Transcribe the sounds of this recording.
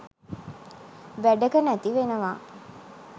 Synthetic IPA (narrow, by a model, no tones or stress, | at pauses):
ʋæɖəkənæt̪iʋenəʋaː